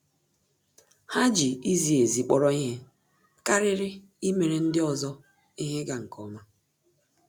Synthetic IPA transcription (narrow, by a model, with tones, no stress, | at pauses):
ha˦d͡ʒi˨i˦zi˨e˨zi˨k͡pɔ˦ɾɔ˦i˦ɦe˦ | ka˦ɾɪ˦ɾɪ˦ | i˦me˨ɾe˨n̩˦dɪ˦ɔ˨zɔ˦ | i˦ɦe˦ɡa˨ŋ̩˨kɔ˦ma˦